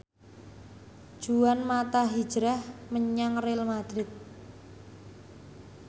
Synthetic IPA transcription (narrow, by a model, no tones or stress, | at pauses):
d̥ʒ̥uwanmat̪aɦi̥d͡ʒ̥ɾahməɲaŋrelmad̪̥ɾɪt̪̚